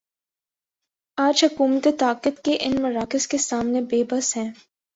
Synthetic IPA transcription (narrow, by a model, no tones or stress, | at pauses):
aːd͡ʒɦʊkuːmət̪et̪aːkət̪keʔɪnmʊɾaːkɪskesaːmnebeːbəsɦɛ̃ː